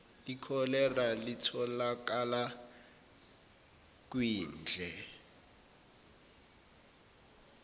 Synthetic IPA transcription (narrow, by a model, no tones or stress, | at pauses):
likʰɔlɛralitʰɔlakala | kwiːnd͡ɮʱɛ